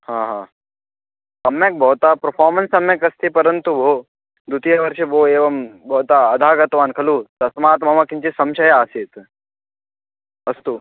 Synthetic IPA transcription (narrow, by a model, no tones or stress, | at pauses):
hãːɦãː | ɐmjɐk̚bʱɔːt̪apɾɐɾpʰaːɾmɐnsɐmjɐkɐst̪ipɐɾənt̪ubʱoː | d̪ut̪ijɐʋɐɾʃiboːeːʋɐmbʱɔːt̪aɐd̪ʱaːɡɐt̪ʋaːnkʰɐluːt̪ɐsmaːt̪mɐmakint͡ʃisɐmʃɐjaːsiːt̪ | ɐst̪u